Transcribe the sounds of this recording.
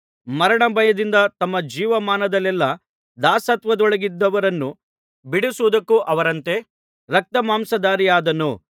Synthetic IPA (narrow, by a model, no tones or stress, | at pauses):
mɐɾɐɳɐbʱɐjɐd̪ind̪ɐt̪ɐmːɐd͡ʒiːʋɐmaːnɐd̪ɐlɛlːɐ | d̪aːsɐt̪ʋɐd̪ɔɭɐɡid̪ːɐʋɐɾɐnːu | biɽusuːd̪ɐkːuʔɐʋɐɾɐnt̪e | ɾɐk̚t̪ɐmaːmsɐd̪aːɾijaːd̪ɐnu